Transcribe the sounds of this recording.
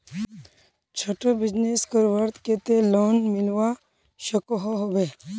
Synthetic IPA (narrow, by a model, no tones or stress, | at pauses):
t͡ʃʰoʈəbɪd͡ʒneskəɾʋəɾt̪ket̪eloːnmɪlʋa | ʃəkoɦoɦobe